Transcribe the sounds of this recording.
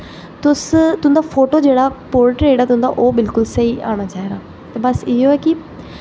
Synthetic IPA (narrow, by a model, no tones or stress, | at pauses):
t̪ʊst̪ʊ̃nd̪aːpʰoːʈoːd͡ʒeːɽaːpoːɾʈɾeːɖaːt̪ʊɦnd̪a̰ːʔoːbɪlkʊlsəiːa̰ːɽ̃aːt͡ʃaːiːɾaː | t̪eːbəsɪoːɛːkɪ